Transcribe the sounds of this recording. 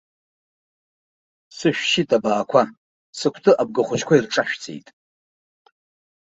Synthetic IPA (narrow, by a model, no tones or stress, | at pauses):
sɨʃᶣʃɪtʼabaːkʷʰa | sɨkʷʰtʰɨʔab̚ɡaχʷʊd͡ʒkʷairʈ͡ʂʼaʃᶣt͡sʰʼḛjtʼ